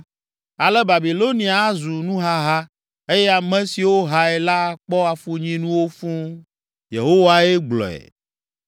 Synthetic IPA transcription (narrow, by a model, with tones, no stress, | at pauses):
a˨lɛ˦ba˨bi˨lo˦nĩ˨a˨˦zu˨nũ˦ɦa˦ɦa˦ | e˦jɛ˦a˨mɛ̃˦si˨wo˦ɦa˦ɛ˨la˦˨k͡pɔ˦a˨fu˦ɲĩ˦nũ˦wo˦fũ˦ | jḛ˨ɦo˦wa˦e˦ɡ͡blɔ̰˨ɛ̰˨